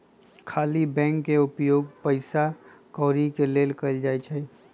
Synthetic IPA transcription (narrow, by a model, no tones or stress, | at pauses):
kʰaːlibɛ̃ːŋkːeʊpjoːɡpəɪsa | kɔːɾikeleːlkəld͡ʒaːit͡ʃʰɛ